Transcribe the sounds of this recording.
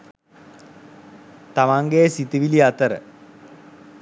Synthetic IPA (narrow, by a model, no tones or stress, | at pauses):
t̪amaŋɡesit̪iʋiliat̪əɾə̰